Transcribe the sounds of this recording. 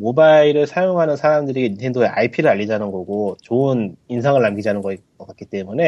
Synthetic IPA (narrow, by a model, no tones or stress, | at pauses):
mobaiɾɯɭsʰajoŋɦanɯnsʰaɾamdɯɾeɡeintʰe̞ndoe̞ʔa̰ipʰiɾɯɾaʎːid͡ʑanɯnɡʌɡot͡ɕoɯninsʰaŋɯɭːamɡid͡ʑɦanɯnɡʌ | ʌk͈ak͈it͈e̞mune̞